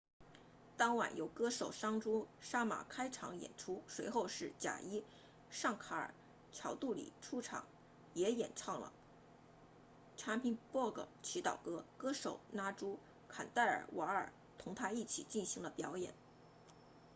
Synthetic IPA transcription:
t̪ɑ˥ŋwa̰˨˩njo˧˥ʊkɤ˥ʂo˨˩ʊʂɑ˥ŋʈ͡ʂu˥ʂa˥ma̰˨˩kʰa˥ɪʈ͡ʂʰɑ̰˧˥ŋjɛ̰˨˩nʈ͡ʂʰu˥ʂwe˧˥ɪxo˥˧ʊʂɻ̩˥˩t͡ɕja̰˨˩i˥ | ʂɑ˥˩ŋkʰa˧˥ə̰˞˨˩ | t͡ɕʰjɑ˧˥ʊt̪u˥˩lḭ˨˩ʈ͡ʂʰu˥ʈ͡ʂʰɑ̰˨˩˥ŋ | jɛ˧˥jɛ˨˩nʈ͡ʂʰɑ˥˩ŋlə̰˩ | ʈ͡ʂʰa˧˥pʰi˧˥npwɔ˥˩ɡɤ̰˩t͡ɕʰi˧˥t̪ɑ̰˨˩ʊkɤ˥kɤ˥ʂo˨˩ʊna˥ʈ͡ʂu˥ | kʰa̰˨˩nt̪a˥˩ɪə̰˞˨˩wʔa˧˥ə̰˞˨˩ | t̪ʰʊ˧˥ŋt̪ʰa˥i˥˩t͡ɕʰḭ˨˩t͡ɕi˥˩nɕi˧˥ŋlə˧pjɑ˧˥ʊjɛ̰˨˩˦n

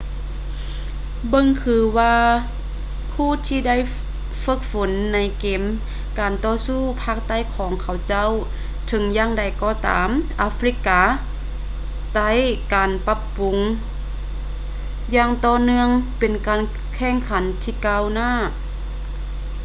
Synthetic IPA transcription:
bɤ˧ŋkʰɯː˧˦waː˧ | pʰuː˧˥˨t̪ʰiː˧da˥˩˨j | fɤ˧˩k̚fo˨˦nːa˧˦jkeː˨˩m | kaː˨˩nt̪ɔː˧suː˧˥˩pʰaː˧˩k̚t̪a˥˩˨jkʰɔː˨˦ŋkʰa˧˩wt͡ɕa˧˥˨w | t̪ʰɤ˨˧˦ŋjaː˧ŋda˨˩jkɔː˧˩t̪a̰ː˨˦mʔa˧˥fɾi˧˥kːaː˨˧ | t̪a˧˥˩jkaː˨˩npa˧˥pːu˨ŋ | jaː˧ŋt̪ɔː˧nɯ˧əŋpe˨nkaː˨˩n | kʰɛː˧˥˩ŋkʰa˨˧˦nt̪ʰiː˧˩kaː˧˨wnaː˧˥˩

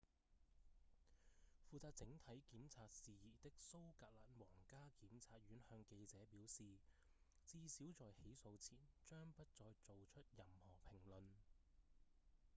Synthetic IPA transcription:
fuː˨˧t͡saː˧t̚t͡sɪ˨˥ŋt̪ʰɐ˨˥jkiː˨˥mt͡sʰaː˧t̚siː˨jiː˨˩t̪ɪ˥k̚so˥wkaː˧t̚laː˨˥nwɔː˨˩ŋkaː˥kiː˨˥mt͡sʰaː˧t̚ɥyː˨˥nhœː˧ŋke˧jt͡sɛː˨˥piː˨˥wsiː˨ | t͡siː˧siː˨˥wt͡sɔː˨jhe˨˥jso˧wt͡sʰiː˨˩nt͡ʃœː˥ŋpɐ˥t̚t͡sɔː˧jt͡so˨wt͡ʃʰɵ˥t̚jɐ˨˧mhɔː˨˩pʰɪ˨˩ŋlɵ˨n

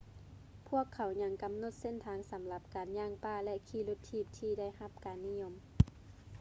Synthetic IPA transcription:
pʰu˥˨əkʰːa˨˦wɲa˧˥ŋka˨mno˧˦t̪̚se˧˥˨nt̪ʰaː˨˦ŋsa˨˦mla˧p̚kaː˨nɲaː˧˥˩ŋpaː˧˩lɛ˧ʔkʰiː˧˩lu˧t̪ʰːiː˧˩p̚t̪ʰiː˧da˥˩˨jha˧˥p̚kaː˨nːi˧ɲo˧m

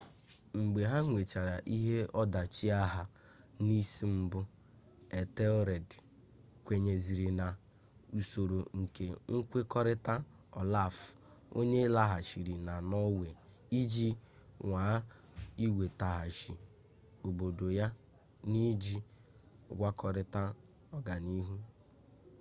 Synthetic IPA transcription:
ŋ͡m̩˨ɡ͡be˨ɦa˦ŋʷe˨t͡ʃa˨ɾa˨ʔi˦ɦe˦ɔ˦da˨t͡ʃi˦a˦ɦa˦ | ni˦si˦m̩˦bʊ˦ | e˨te˦ɔ˦ɾe˨d | kʷe˨ɲe˨zi˨ɾi˨na˨ | u˨so˨ɾo˨ŋ̩˨ke˨ŋ̩˦kʷe˦kɔ˦ɾɪ˦ta˦ | ɔ˨la˦˨fo̰˦ɲe˦la˦ɦa˨ʃi˨ɾi˨na˨nɔ˦we˨ | i˦d͡ʒi˦ŋa˨˦ | i˦wʷe˨ta˨ɦa˨ʃi˨ | o˨bo˨do˨ja˦ | ni˦d͡ʒi˦ | ɡʷa˦kɔ˦ɾɪ˦ta˦ | ɔ˦ɡa˨ni˦ɦu˦

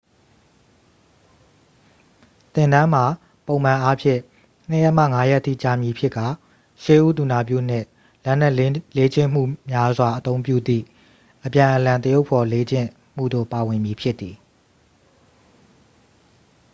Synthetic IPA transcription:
t̪ɪ̃˨ndã˦m̥a˨ | põ˨ʊ̃m̥ã˨ʔa˦pʰjɪ̰̃˦˨ | n̥ə˦˨jɛ˦ʔma̰˦˨ŋa˦jɛ˦ʔtʰːḭ˦˨t͡ɕa˨mji˨pʰjɪ˦kːa˨ | ʃɪ˦˨ʔu˦t̪u˨na˨pjṵ˦˨n̥ɪ̰̃˦˨ | lɛ˦n̥ɛ˦˨ʔle˦d͡ʑɪ̃˦˨m̥ṵ˦˨mja˦zwa˨ʔət̪õ˦ʊ̃mp̬jṵ˦˨d̪ðḭ˦˨ | ʔəpjã˨ʔəlã˨nt̪ə˦jo˦ʊpʰɔ˨le˦d͡ʑɪ̰̃˦˨ | m̥ṵ˦˨do̰˦˨pa˨wɪ̃˨mji˨pʰjɪ˦t̪ːi˨

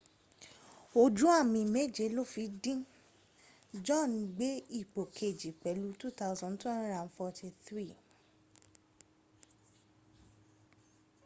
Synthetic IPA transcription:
o˧d͡ʒũ˨˦a˦˨mĩ˧˨me˦˨d͡ʒe˨˦lo˦˨fi˨˧dĩ˦ | d͡ʒɔ̃˦˨ñ˨ɡ͡be˦i˦˨k͡po˨kʰe˨d͡ʒi˨k͡pɛ˨˦lu˦tu˦t̪a˦wzɔ̃˧ntwɛ̃˦nɾã˨nfɔ˧tʰi˧θɾi˦˨

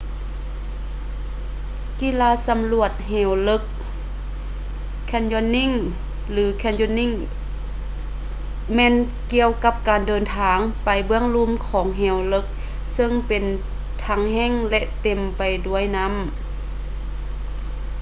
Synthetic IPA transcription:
ki˧˥˨laː˧˥sa˧˦mlu˧ət̪̚ɦɛː˧˩wlɤ˧˥k̚ | ɛ˧˥˩njɔ˧˥nːi˧˥˩ŋ | lɯː˩˦kʰɛː˧˥˨njɔː˧˥nːi˧˥˨ŋ | mɛː˧˥˨n | ki˧˨əwka˧p̚kaː˨ndɤː˨nt̪ʰaː˨˦ŋpa˨jbɯ˧əŋlu˧˥˨mkʰɔː˨˩˦ŋɦɛː˧˩wlɤ˧˩k̚ | sɤ˧ŋpe˨n | t̪ʰa˧˥ŋhɛː˧˥˨ŋlɛ˧ʔt̪e˨˩mpa˨˩jdu˧˩əjna˧˥˨m

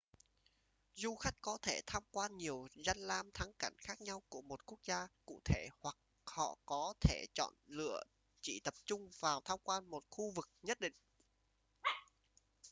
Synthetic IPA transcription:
zu˧xa˦˥jk̟̚kɔ˨˦t̪ʰe˧˩t̪ʰaː˧mkwaː˧nɲi˨˩əwza˧jŋlaː˧mt̪ʰa˨˦ŋka˧˩jŋ̟xaː˦˥k̚ɲa˧wku˧˩əmo˨˩t̚ku˦˥ək̚zaː˧kṵ˧˨t̪ʰe˧˩hwa˨˩k̚ | hɔ̰˧˨kɔ˨˦t̪ʰe˧˩t͡ɕɔ̰˧˨nlɨ̰˧˨ə | t͡ɕḭ˧˨t̪ə˨˩p̚t͡ɕʊ˧ŋ͡mvaː˨˩wt̪ʰaː˧mkwaː˧nmo˨˩t̚xu˧vɨ˨˩k̚ɲə˦˥t̚ɗḭ˧˨ŋ̟

